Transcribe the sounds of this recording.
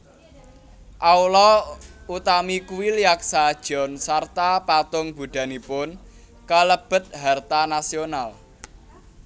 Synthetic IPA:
ʔaulɔut̪amikuwiljak̚sad̥ʒ̥ɔ̤nsart̪apat̪ʊŋb̥uɖ̥a̤nipʊn | kaləb̥ə̤t̪̚ɦart̪anasional

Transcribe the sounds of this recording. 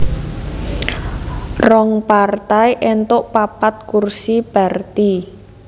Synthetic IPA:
rɔŋpart̪aiʔent̪oʔpapat̪̚kursib̥a̤rt̪i

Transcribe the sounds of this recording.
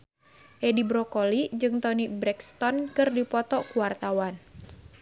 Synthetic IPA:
ʔɛdibɾɔkɔlid͡ʒɨŋt̪ɔnibɾɛkst̪ɔnkɨrdipɔt̪ɔkuwart̪awan

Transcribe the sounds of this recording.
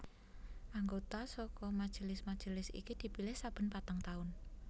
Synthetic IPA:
ʔaŋɡot̪asɔkɔmad̥ʒ̥ə̤lɪsmad̥ʒ̥ə̤lɪsḭkid̪̥i̤pilɪhsab̥ə̤npat̪aŋt̪aʊn

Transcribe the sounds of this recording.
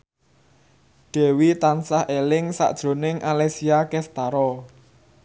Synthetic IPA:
ɖ̪̥ɛ̤wit̪ansahʔelɪŋsa̰ʔd̥ʒ̥ɾo̤nɪŋʔalesiakɛst̪aɾɔ

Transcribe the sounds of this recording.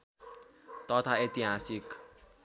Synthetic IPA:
t̪ʌt̪ʰaet̪iɦasik

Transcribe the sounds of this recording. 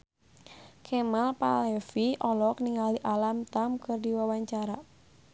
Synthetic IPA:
kʰɛmalpa̰lɛfiʔɔlɔkniŋaliʔalamt̪amkɨrdiwawaɲt͡ʃaɾa

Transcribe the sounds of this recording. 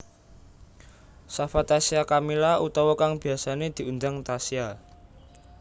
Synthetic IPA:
safat̪asiakamilaʔut̪ɔwɔkaŋb̥i̤asaned̪̥i̤und̪aŋt̪asia

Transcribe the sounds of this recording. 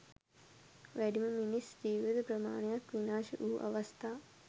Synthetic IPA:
ʋæɖiməminisd͡ʑiːʋid̪əpɾɐma̰ːnejakʋinaːʃəʔuːʔɐ̰ʋɐst̪ʰaː

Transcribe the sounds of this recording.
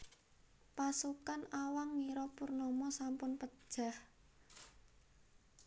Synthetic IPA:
pasukanawaŋːiɾɔpurnɔmɔsampʊnpə̥ʒ̥ah

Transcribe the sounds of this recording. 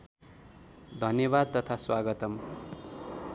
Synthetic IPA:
d̪ʱʌnjʌβad̪̚t̪ʌt̪ʰaswaɡʌt̪ʌm

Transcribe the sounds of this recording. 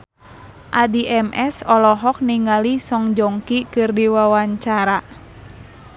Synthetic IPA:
ʔadiʔɛmʔɛsɔlɔɦɔk̚niŋalisɔŋd͡ʒɔŋkikɨrdiwawaɲt͡ʃaɾa

